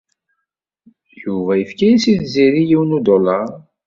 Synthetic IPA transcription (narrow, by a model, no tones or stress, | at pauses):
juvæjəfkæjisiðziɾijiwnud̪olɑʁ